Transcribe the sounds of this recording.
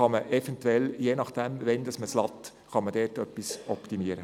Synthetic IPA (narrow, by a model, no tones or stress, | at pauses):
ɑməʔɛfɛntwɛljeːnɑχd̥ɛmʋɛnd̥̪ɑsməslɑt̪ | χɑməd̥ɛːtœpːisɔpt̪imiəɾə